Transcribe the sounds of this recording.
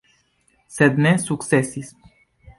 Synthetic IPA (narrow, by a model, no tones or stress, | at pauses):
sɛd̪nesuksesism